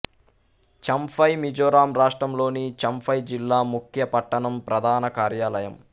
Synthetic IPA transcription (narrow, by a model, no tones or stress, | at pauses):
t͡ʃɐmfʰɐjmid͡ʒoːɾaːmɾaːʂʈɾɐmlo̞ːnit͡ʃɐmpʰɐjd͡ʒilːaːmukʰjɐpɐʈːɐɳɐmpɾɐd̪ʱaːnɐkaːɾjaːlɐjɐm